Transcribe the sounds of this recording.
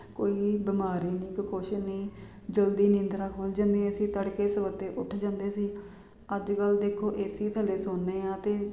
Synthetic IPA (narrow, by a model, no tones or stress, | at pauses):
koːiːbɪmaːɾiːniːkkoːʃɪʃniː | d͡ʒəld̪iːnɪ̃ːnd̪ɾaːkʰoːld͡ʒãːnd̪eːɛ̃siːt̪əɽkeːsəʋət̪eːʔʊʈʰd͡ʒãːnd̪eːsiː | əd͡ʒkəld̪eːkʰoːʔeːsiːt̪ʰəleːsoːnːẽːãːt̪eː